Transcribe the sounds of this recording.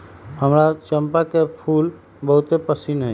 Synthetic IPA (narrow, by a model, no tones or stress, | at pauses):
həmɾat͡ʃəmpakepʰul | bəɦut̪epəsinɦəj